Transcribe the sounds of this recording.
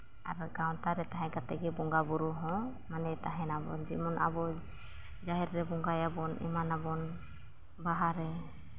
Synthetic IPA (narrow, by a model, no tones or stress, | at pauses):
a̰ɾɔɡaw̃taɾɛtaɦɛ̃ɡatɛɡɛbɔŋɡabuɾuɦɔ̃ | manɛtaɦɛnabɔ̰nd͡ʒḭmɔnʔa̰bɔ | d͡ʒaɦɛɾɾɛbɔŋɡajabɔnʔḭmanabɔn | baɦaɾɛ